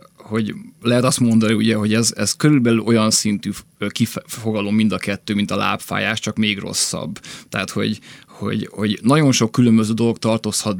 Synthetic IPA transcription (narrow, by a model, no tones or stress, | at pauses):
ho̞ɟlɛɦɛt̪ɒst̪mo̞nd̪ɒniuɟɛɦo̞ɟɛzɛzkøɾylbɛlylʔo̞jɒnsint̪yːkifo̞ɡɒlomːind̪ɒkɛt̪ːøːmint̪ɒla̰ːpfa̰ːjaːʃt͡ʃɒkmeːɡro̞̰sːɒ̰bːt̪ɛat̪ho̞̰ɟho̞̰ɟho̞̰ɟnɒɟo̞nʃo̞kːylømbøzøːd̪o̞lo̞k̚t̪ɒrt̪oshɒt̪̚